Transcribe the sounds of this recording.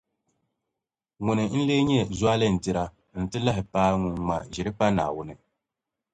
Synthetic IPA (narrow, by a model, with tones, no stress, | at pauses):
ŋʊ˨nɨ˨n̩˦leː˦ɲɛ˦zwa˦lɨ˦n̩˨tɪ˦ɾa˦ | n̩˦tɨ˦la˦ɦɪ˨paː˦ŋʊ˨ŋ˨ŋa˨ʒɛ˨ɾɨ˦k͡pa˦na̰ː˨wʊ˦nɨ˦